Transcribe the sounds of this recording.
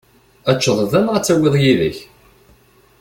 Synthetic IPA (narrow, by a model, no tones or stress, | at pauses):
æt͡ʃːəðˤðænʁæt͡sːæwɪðˤjiðə̰ç